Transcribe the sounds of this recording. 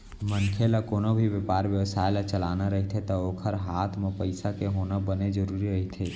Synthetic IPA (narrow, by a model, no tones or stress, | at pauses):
mənkʰeləkoːnobʱiʋjepaɾʋjəwsaelat͡ʃəlanaɾəɦit̪ʰet̪əokʰəɾɦat̪ʰmepəɪsakeɦonabəned͡ʒəɾuɾiɾəɦit̪ʰe